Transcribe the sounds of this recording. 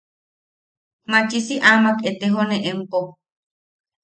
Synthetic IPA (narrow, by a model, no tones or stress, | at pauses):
mat͡ʃisiʔamaket̪eɦoneʔempo